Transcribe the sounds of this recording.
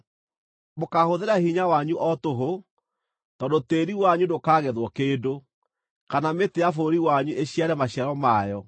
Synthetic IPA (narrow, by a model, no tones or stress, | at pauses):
mokahoðeɾahiɲawaɲuʔɔtoɦo | tɔdoteɾiwaɲudokaːɣɛðwɔkeːdo | kanameteafoɾiwaɲueɕiaɾɛmaɕjaɾɔmajɔ